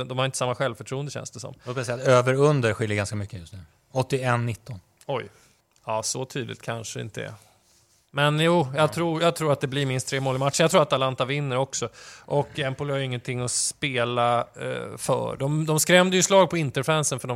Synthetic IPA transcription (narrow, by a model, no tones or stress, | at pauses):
d̪ɔmhaɾɪnt̪əsamːaɧɛlvfœʈʰɾuːənd̪əɕɛ̰nsd̪ɛsɔ̰mːot̪masɛjat̪øːvəɾɵnd̪əɾɧɪlːəɡanskamʏkːəjɵst̪nʉ̟ː | ɔt̪ːɪɛnːɪt̪ʰːɔn | ɔj | ɑːsɔt̪ʰyːd̪lɪ̰t̪̚kʰanʂəɪ̰nt̪əɛ̰ | mɛnjuːjɑːɡt̪ʰɾuːjɑːɡt̪ʰɾuːɾat̪̚d̪ɛblɪɾmɪnst̪ʰːɾeːmoːlɪmat̪ːʂə̥ɳjaɡt̪ʰɾuːat̪alant̪avɪnːəɾɔksɔʔɔkːɛmpʊlhaɾjʏɪŋːənt̪ʰɪŋːɔspeːla | fœ̰ːɖɔmd̪ɔmskɾɛmd̪əjɵslɑːɡ̚pʰɔɪnt̪əɾfɾɛnsənfœɖɔ